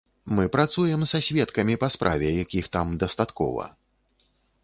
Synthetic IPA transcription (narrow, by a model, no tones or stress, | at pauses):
mɨpɾat̪sujɛmsasʲvʲɛt̪kɐmʲipɐspɾʔa̰vʲɛjakʲixt̪amd̪ɐst̪at̪kɔ̰vɐ̰